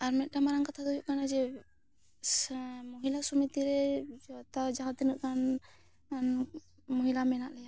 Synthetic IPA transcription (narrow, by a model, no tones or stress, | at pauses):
aɾmɛt̪̚ˀʈamaɾaŋkat̪ʰad̪ujuʔkanad͡ʒɛ | moɦilasɔmit̪iɾɛt̪ad͡ʒaɦat̪ɛnuʔkan | n | mɔɦilamɛnaʔlɛja